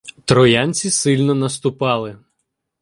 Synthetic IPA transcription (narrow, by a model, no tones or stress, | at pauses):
t̪ɾɔjɑnʲt͡sʲisɪlʲnɔnɐst̪ʊpɑlˠɪ